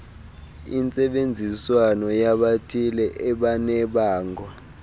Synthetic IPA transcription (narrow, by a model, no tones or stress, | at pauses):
ḭnt͡sʼɛɓend͡zʱiswanɔjaɓatʰilɛʔɛɓanɛɓaːŋwa